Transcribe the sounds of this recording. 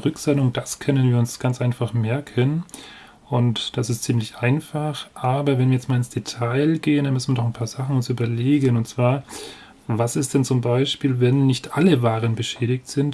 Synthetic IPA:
ʁʏkz̥ɛnʊŋd̥askʰœnənviːɐʊnsɡ̥ant͡sʔaɪnfaχmɛɐkʰən | ʔʊntd̥asɪstt͡siːmlɪçʔaɪnfaχʔaːbɐvɛnviːɐjɛt͡stmaːlɪnsd̥etʰaɪlɡeːəndanmʏsn̩viːɐdɔχaɪnpʰaːɐz̥aχn̩ʊnsyːbɐleːɡənʊntt͡sv̥aːɐ | vasɪstd̥ɛnt͡sʊmbaɪʃpiːlvɛnːɪçtʔaləvaːʁ̞ənbəʃɛːɾɪçtz̥ɪnt

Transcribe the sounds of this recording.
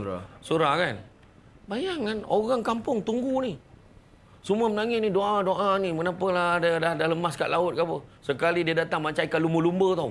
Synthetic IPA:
a̰suɾahkan | bajaŋːanoɣaŋkampʊŋt̪uŋɡuni | suməmənaŋɪsnidoʔadoʔaniməkənapəladadadahləmaska̰ʔlʔaʊt̪̚kapəsəkalidiədat̪aŋmaɲt͡ʃaikaluməlumbət̪aw

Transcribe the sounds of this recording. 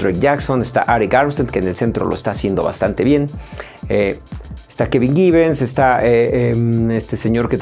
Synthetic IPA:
ɾekʝaksonest̪a̰ʔaɾikaɾmsent̪keːnelse̞nt̪ɾolo̰est̪aːsje̞nd̪o̞βa̰st̪ant̪e̞βje̞n | eest̪akeβiŋɡiβensest̪aeeest̪eseɲo̞ɾket̪

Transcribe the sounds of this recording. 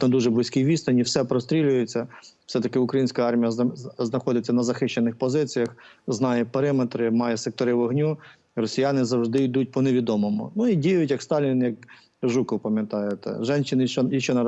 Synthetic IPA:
nɐd̪uʒɛblˠɪsʲkʲijʋʲist̪ɐnʲiwsɛpɾɔst̪ɾʲilʲʊjet͡sʲːɐfsɛt̪ɐkɪʊkɾɐjinʲsʲkɐɑrmʲijɐznɐxɔd̪ʲɪt͡sʲːɐnɐzɐxɪʃt͡ʃːenɪxpɔzɪt͡sʲijɐxznɑjɛpeɾɪmet̪ɾɪmɑjɛsek̚t̪ɔɾɪʋɔɦnʲu | rɔsʲijɑnɪzɐwʐd̪ɪid̪ut̚ʲpɔneʋʲid̪ɔmɔmʊ̰nuidʲijʊtʲjɐkst̪ɑlʲinjɐk | ʒukɔwpɐmʲjɐt̪ɑjet̪ɛ̰ʒɛnʃɪnɔjɐt͡ʃɔnɐ

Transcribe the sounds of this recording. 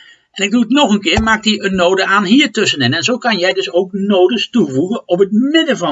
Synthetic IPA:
ʔɛnɪɡ̚duətnɔχənkɪːɹmaːk̚tiənnːoːdəaːnɦiːɹtɵsənɛnɛnzowkɑnjɛjdɵsowk̚noːdəstuvuɣəɔpət̚mɪdəvɑ

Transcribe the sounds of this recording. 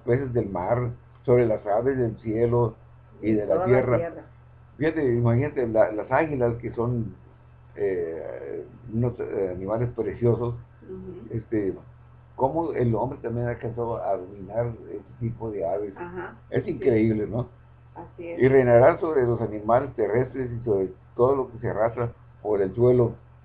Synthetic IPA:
ospesezðelmaɾ | so̞βɾe̞lasaβe̞zðelsjelo | iðelat̪je̞ra | fixat̪eimaxinat̪elalasaɣilaskeso̞n | e | unosanĩmalespɾe̞sjo̞so̞s | est̪e | ko̞moḛlo̞mbɾet̪ambjenakansooaðomĩnaɾḛst̪et̪ipoðe̞aβesḛsiŋkɾe̞iβleno | aireneɾaɾso̞βɾelosanĩmale̞st̪e̞re̞st̪ɾe̞siso̞βɾet̪oðolokesearast̪ɾa | oβɾeelswe̞lo̞

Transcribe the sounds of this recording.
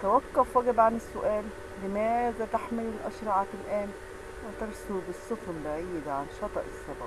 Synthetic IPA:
t̪æwækːofɑɡɪbʕanɪsːʊʔæːlː | ɪmæːzæt̪aħmelɪnʔɑʃɾˤɑʕtɪlʔæːn | wɪt̪ɑɾˤsubɪsˤːofmbaʕiːd̪ʕanʃɑt̪ˤɑʔesˤːɑbɑ

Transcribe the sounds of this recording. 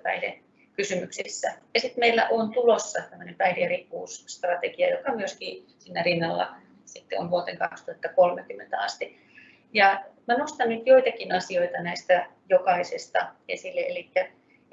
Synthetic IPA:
pæ̰idḛ | kysymyksisːæjɑsit̪meilːæʔont̪ulosːɑt̪æmːønempæidijærikːuːsst̪rɑt̪eɡiɑ̰jokɑmyøskiː | siːnːærinːɑlːɑ̰ | sit̪ːḛo̰nʋuot̪eŋkɑ̰kst̪uhɑt̪ːɑkolmekymːḛnt̪æɑ̰st̪i | jɑmænost̪ɑnnyt̪joit̪ɑkinɑsioit̪ɑnæist̪æjokɑisest̪ɑ̰esilːeelikːæ

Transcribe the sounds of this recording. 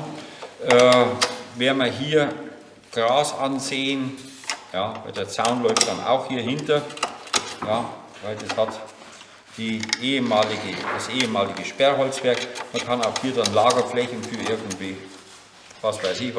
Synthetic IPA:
ʔɛːveːɐmɐɦiːɐ | ɡ̥ʁaːsanzeːən | jaːva̰ɪdeːɐt͡saʊnlɔʏftd̥ana̰ʊxhiːɐhɪntɐ | jaː | vaɪldɐshat | d̥iːʔeːəmaːlɪɡəd̥asʔeːəmaːlɪɡəʃpɛɐɦɔlt͡sv̥ɛɐkmɐkʰɑnaʊxhiːɐdanlaːɡɐflɛçn̩fyːɐʔɪɐɡŋ̩tv̥iː | vasv̥aɪsɪç

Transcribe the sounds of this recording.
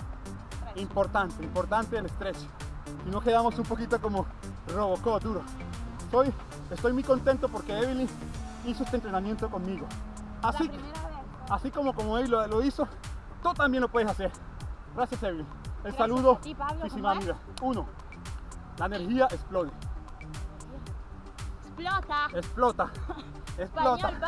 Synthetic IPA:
impo̞ɾt̪ant̪eimpo̞ɾt̪ant̪eelest̪ɾe̞so̥ | sino̞keðamo̞sumpo̞kit̪oko̞mo | roβokod̪uɾo | soj | est̪o̞jmujko̞nt̪e̞nt̪opo̞ɾke̞eβili | iso̞est̪ent̪ɾenamje̞nt̪oko̞nmiɣo̞ | asi | asiko̞mokomoeβiloloiso | t̪ut̪ambje̞nlo̞pwe̞ðesase̞ɾ | ɡɾasjaseβili | elsaluðoisimamiða | uno | laeneɾxiaʔesploði | esplot̪a | esplot̪a

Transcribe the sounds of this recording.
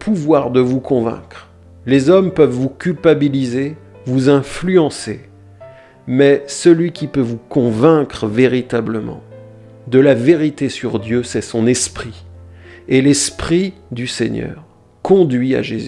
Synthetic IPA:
pʰuvwaʁd̪əvukɔ̃vɛ̰̃kχ | lezɔmpœvːukʲylpabilize | vuzɛ̃flyɑ̃sḛ | mɛsəlɥikʲipøvukɔ̃vɛ̃kχveʁit̪abləmɑ̰̃ | d̪əlaveʁit̪esyʁd̪jøsɛsɔ̃nɛspχi | elɛspχid̪ysɛɲœ̰ːʁ | kɔ̃d̪ɥia̰ʒezy

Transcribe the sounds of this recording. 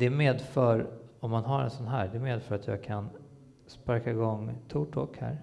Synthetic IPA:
d̪̥ɛmeːd̪fœɾɔmːanɦaɾɛ̰nsɔnɦæːɖɛɛmeːd̪fœɾat̪ʰjɑ̰ːɡ̚kʰan | spaɾkaɪɡɔŋːt̪ʰuːʈʰɔkhæ̰ːɾ

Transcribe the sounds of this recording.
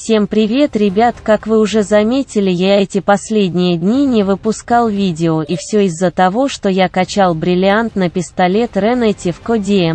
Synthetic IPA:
fsʲe̞mpɾʲɪvʲe̞t̪ɾʲɪbʲat̪kakvɨʊʐɛzɐmʲetʲɪlʲɪjaɛtʲɪpɐsʲlʲedʲnʲɪjəd̪ʲnʲinʲɪvɨpʊskalˠvʲidʲɪoʔifsʲɵɪzːət̪ɐvo̞ʂt̪o̞jakɐt͡ɕalˠbɾʲɪlʲɪant̪nəpʲɪst̪ɐlʲe̞t̪rɛnətʲɪfkodʲe

